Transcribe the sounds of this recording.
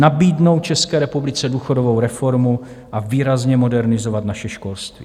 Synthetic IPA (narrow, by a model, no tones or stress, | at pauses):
nabiːdno̞wt̪̚t͡ʃɛskɛːɾɛpublɪt͡sɛduːxo̞dovowɾɛfo̞ɾmu | ʔaviːɾazɲɛmo̞dɛɾnɪzo̞vat̪naʃɛʃko̞lst̪vḭː